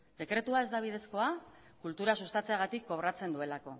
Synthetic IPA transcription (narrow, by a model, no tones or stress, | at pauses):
d̪e̞kɾe̞t̪uae̞zd̪aβ̞ið̞e̞sko̞a | kult̪uɾasust̪at͡seaɣ̞at̪ikːo̞βɾat͡se̞nd̪ue̞lako̞